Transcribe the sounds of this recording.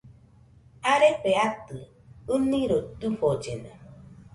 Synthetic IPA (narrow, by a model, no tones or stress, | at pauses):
aɾepeat̪ɨ | ɨnĩɾot̪ufod͡ʒena